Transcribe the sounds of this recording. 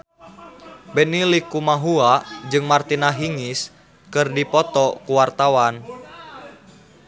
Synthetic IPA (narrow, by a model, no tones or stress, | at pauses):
bɛnilikumaɦuad͡ʒɨŋmart̪inaɦiŋis | kɨrdipɔt̪ɔkuwart̪awan